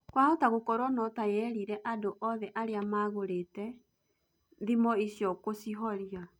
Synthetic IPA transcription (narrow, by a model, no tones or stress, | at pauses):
kwahotaɣokɔɾwɔnɔtajɛɾiɾɛʔadoʔɔðɛʔaɾeamaɣoɾetɛ | ðimɔisjɔkosiɦɔɾja